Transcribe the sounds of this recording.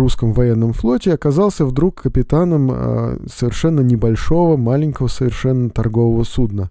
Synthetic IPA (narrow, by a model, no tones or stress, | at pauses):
uskəmvɐjenːəmflˠo̞tʲɪɐkɐzɑlˠsʲəvd̪ɾukʰːəpʲɪt̪anəm̰səvʲɪrʂɛnːənʲɪbɐlʲʂo̞vəmalʲɪnʲkəvəsəvʲɪrʂɛnːət̪ɐrɡo̞vəvəsud̪nə